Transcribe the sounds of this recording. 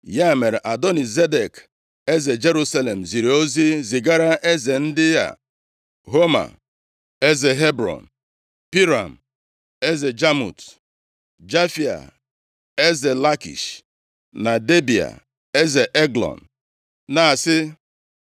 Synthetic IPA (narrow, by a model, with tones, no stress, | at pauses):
ja˦˨me˨ɾe˨ʔa˨dɔ˦ni˨ze˦de˨k | e˦ze˨d͡ʒe˦ɾu˦sa˦le˨m̩˨zi˨ɾe˨o˦zi˦zi˨ɡa˦ɾa˦ʔe˦ze˨n̩˦dɪ˦ja̰˦˨ | ɦo˦ma̰˨ | e˦ze˨ɦe˦bɾɔ̰˨n̩˨ | pi˦ɾa̰˨m̩˨ | e˦ze˨d͡ʒa˦mṵ˨t | d͡ʒa˦fi˨a̰˨ | e˦ze˨la˦kḭ˨ʃ | na˨de˦bi˨a̰˨ | e˦ze˨ʔe˦ɡlɔ̰˨n̩˨ | na˨sɪ˦